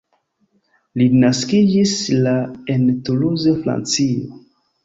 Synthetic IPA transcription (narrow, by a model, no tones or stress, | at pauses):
linaskid͡ʒislaentuluzofɾa̰nt͡sio̰